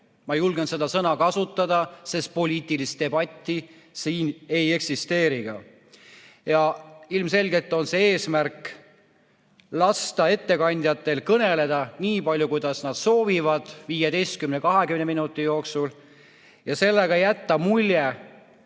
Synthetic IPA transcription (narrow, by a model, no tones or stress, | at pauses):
mɑjulɡense̞d̪̥ɑsɤnɑkɑsut̪ːˑɑd̪̥ɑse̞spo̞lʲiːt̪ːˑilist̪e̞bɑt̪ʲˑːi | siːne̞je̞ksist̪e̞ːɾiɡ̥ɑ̰ | jɑilmse̞lɡe̞t̪ːˑo̞nse̞eːsmærk | lɑst̪ɑe̞t̪ːe̞kɑnʲd̪̥ʲjɑt̪ːˑe̞lkɤne̞le̞d̪̥ɑniːpɑlʲːjukujd̪̥ɑsnɑd̪̥so̞ːvivɑd̪̥viːjed̪e̞jst̪̚kymnekɑɦe̞kymneminut̪ːˑijo̞ːksul | jɑse̞lːeɡɑjæt̪ːɑmulʲje